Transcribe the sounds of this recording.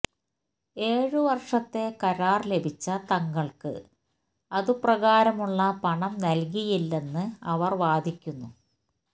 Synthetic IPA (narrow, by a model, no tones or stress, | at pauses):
e̞ːɻɨʋɐrʂɐt̪ːe̞kɐɾaːrle̞bʱit͡ɕːɐt̪ɐŋːɐɭkɨ̰ | ɐðuprɐɣaːɾɐmuɭːɐpɐɳɐmnɐlkijilːe̞nːɨɐʋɐrʋaːd̪ʱikʲːunːu